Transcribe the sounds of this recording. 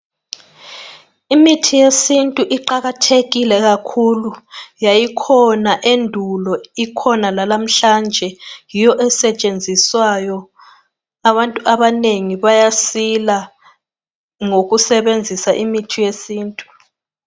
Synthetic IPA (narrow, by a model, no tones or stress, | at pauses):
imitʰijesintʼuʔiǃaɣatʰeɣilɛɣ̬akʰulujajikʰɔnaʔendʱulɔikʰɔnalalam̩ɬand͡ʒʱɛjijɔʔɛsɛt͡ʃʼend͡zʱiswajɔ | aβantʼuʔaβaneŋiβajasila | ŋokusɛɓend͡zʱisaʔimitʰijesiːntʼu̥